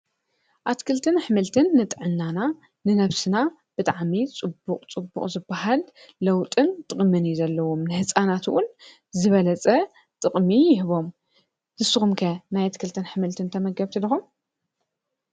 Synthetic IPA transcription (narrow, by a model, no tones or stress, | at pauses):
ʔat̪kʰɨlt̪ʰɨnħɨmɨlt̪ʰɨnːɨt̪ʼʕɨnːana | nɨnɐβsɨna | b̥ɨt̪ʼaʕmit͡sʼɨbːuqʼt͡sʼɨbṵχʼzɨbːaɦalː | ɐwt̪ʼɨnt̪ʼɨqʼmɨnjizɐlːɐwomnɨhɨt͡sʼanat̪ʰṵʔun | zɨβɐlɐt͡sʼɐ | t̪ʼɨχʼmijɪhɨβo̞m | zɨsɨxumkʰɐnajat̪kʰɨlt̪ʰɨnħɨmɨlt̪ʰɨnt̪ʰɐmɐɡɐβt̪ʰɨd̪ɨxum